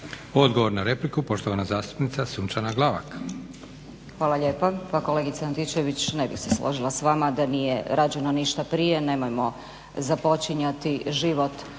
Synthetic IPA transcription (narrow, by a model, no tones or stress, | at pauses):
o̞d̪ɡoʋoɾnaɾe̞plikupo̞ʃt̪oʋanazaːst̪u̥pnit̪sasunt͡ʃanaɡlˠaʋa̰k | xʋaːlaʎe̞ːpapako̞le̞ɡit̪saant̪it͡ɕe̞ʋit͡ɕne̞bḭxse̞slʔo̰ʒilˠasʋamad̪anije̞̰ɾʔaːd͡ʑe̞no̞niʃt̪apɾije̞ne̞mojmo̞ | zapo̞t͡ʃiɲat̪iʒiʋo̞t̪